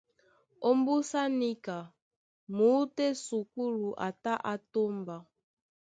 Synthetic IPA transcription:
o˦mbu˦sa˦ni˦ka˨ | mu˨˦te˦su˨k̚u˦lu˨ʔa̰˨ta˦ʔa˦to˦mba˨

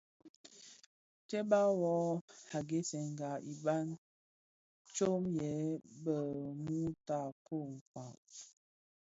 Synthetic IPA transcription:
tɛ˦ba˦wɔ˨˦a˨ɡe˦sɛ˨ŋ˨ɡa˨i˨ba˦n | t͡ʃo˦mjɛ˨˦bə˨mu˦ta˦˨ko˦˨ŋ̩˨kwa˨

